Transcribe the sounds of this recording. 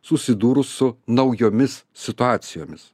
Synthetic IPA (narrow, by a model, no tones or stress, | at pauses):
sʊsʲɪd̪uːɾʊsːʊnɐʊjoːmʲɪs | sʲɪt̪ʊɑːt̪sʲɪjoːmʲɪs